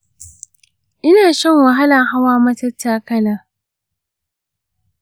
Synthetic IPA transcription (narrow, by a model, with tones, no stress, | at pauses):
ʔɪ˦naː˨sɔ˦ŋwɐ˨ɦa˦lɐ˨ŋha˦waː˦mɐ˦tɐ˦tːaː˦kɐ˦naː˨